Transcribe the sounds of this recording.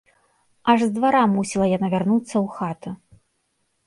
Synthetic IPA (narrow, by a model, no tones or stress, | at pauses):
ɐʐzd̪vaɾamusʲilˠɐjanavʲarnut̪sːɐwxat̪ɨ